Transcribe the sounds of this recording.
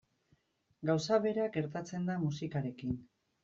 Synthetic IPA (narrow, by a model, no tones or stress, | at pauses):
ɡawsaβe̞ɾaɡe̞ɾt̪at͡se̞nd̪amusikaɾe̞kin